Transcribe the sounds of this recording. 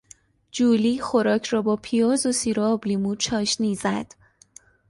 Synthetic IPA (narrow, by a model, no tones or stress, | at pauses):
d͡ʒuːliːxo̞ɾɒːcʰɾɒːbɒːpʰijɒːzosiːɾoːblimut͡ʃʰɒːʃniːzæd̪̥